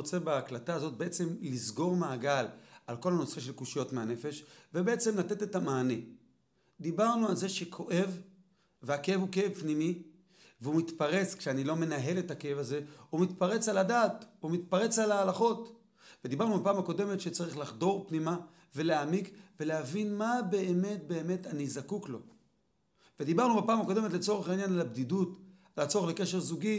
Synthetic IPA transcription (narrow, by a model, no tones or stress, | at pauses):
ot͡se̞baːklataːzo̞t̪̚beʔet͡se̞mlizɡo̞ʁmaːɡalalko̞lhanosfeʃe̞lkuʃijo̞tmeane̞fe̞ʃvebeet͡se̞mlat̪e̞t̪e̞tamaːne̞ | d̪ibaʁnualzeʃe̞kʰo̞ʔe̞v | veakeevukeevpnimi | veumit̪paʁe̞t͡skʃeanilo̞me̞naɦe̞le̞takeevaze̞umit̪paʁe̞t͡saladaːtumit̪paʁe̞t͡salaːlaχo̞t | ved̪ibaʁnubapaːmako̞de̞metʃet͡saʁiχlaχd̪o̞ʁpnima | ve̞leamikve̞leavinmabe̞ːme̞t̚be̞ːme̞tanizakuklo̞̰ | ve̞d̪ibaʁnubapaːmakode̞metlet͡so̞ʁeχainjanalabdidut | alat͡so̞eχle̞ke̞ʃe̞ʁzuɡi